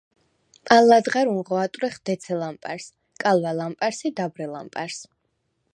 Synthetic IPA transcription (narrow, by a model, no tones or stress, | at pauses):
alːad̪ʁaɾunʁɔat̪ʼwɾɛχd̪̥ɛt̪sʰɛlampʼa̰ɾs | kʼalˠvalampʼaɾsid̪abɾɛla̰mpʼa̰ɾs